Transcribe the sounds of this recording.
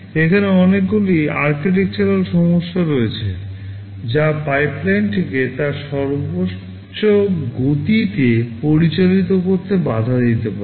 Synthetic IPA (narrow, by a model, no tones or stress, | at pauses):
ekʰaneɔnekɡuliaɾkiʈ̬ek̚t͡ɕaɾalʃɔmoʃːaɾoet͡ɕʰe | d͡ʑapajplajnʈʰiket̪aɾʃɔɾbo | oɡot̪it̪epoɾit͡ɕalit̪okoɾt̪ebad̪ʱad̪it̪epaɾe